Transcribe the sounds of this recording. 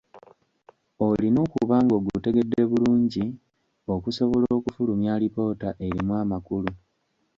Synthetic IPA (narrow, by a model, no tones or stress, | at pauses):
o̞lino̞ːkuβaːŋɡo̞ːɡute̞ɡe̞dːe̞βuluːɲɟi | o̞kuso̞βo̞loːkufulumjaːlipo̞ːtaʔe̞ɾimwaːmakulu